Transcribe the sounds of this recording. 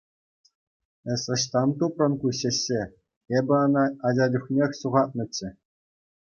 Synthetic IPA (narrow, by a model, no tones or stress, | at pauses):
ɘ̆sʲɤ̆ɕt̪ɑnt̪uprɤ̆nkuɕĕɕːe | ebʲɘ̆ɑnɑːd͡ʑɑd͡ʑuχnʲexʲsuʁɑt̪̚nɤ̆t͡ɕːɘ̆